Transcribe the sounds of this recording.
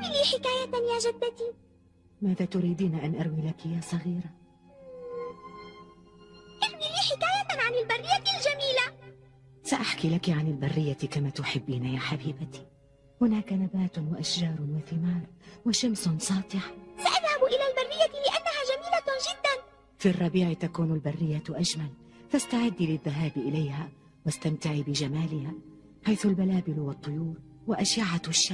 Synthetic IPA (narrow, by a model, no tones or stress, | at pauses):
miliːħɪkaːjajaːʒad̪ːat̪iː | maːðaːt̪ʊɾiːd̪iːniʔanʔaɾˤwilakɪjaːsˤɑɣiːɾa | ʔaɾwiliːħɪkaːjaʕanɪlbarˤːɪjːat̪ɪld͡ʒamiːla | saʔaħkilakiʕanalbarˤːɪjːat̪kamaːt̪ʊħɪbːiːnajaːħabiːbat̪i̥ | hʊnaːkanabaːt̪waʔaʃʒɑːɾˤwaθɪmaːɾˤwaʃamsʊnsˤɑːt̪ˤɪħsaʔaðhabʔɪlaːlbarˤːɪjːat̪ɪlɪʔanːahaːd͡ʒamiːlad͡ʒɪd̪ːan | firˤːɑbiːʕɪt̪akuːnalbarːɪjːaʔad͡ʒmal | fast̪aʕɪd̪ːilɪðːaɦaːbʔɪlajhaː | wast̪amt̪ɪʕiːbɪd͡ʒamaːlɪhaː | ħajθʊlbalaːbɪlwɑt̪ˤːʊjuːɾ | waʔaʃaʕaʃːa